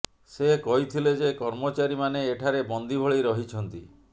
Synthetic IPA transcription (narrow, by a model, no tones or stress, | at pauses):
sekɔɦit̪ʰiled͡ʒekɔɾmot͡ʃaɾimaneːʈʰaɾebɔnd̪ʱibʱɔɭejɾɔɦit͡ʃʰɔnt̪ḭ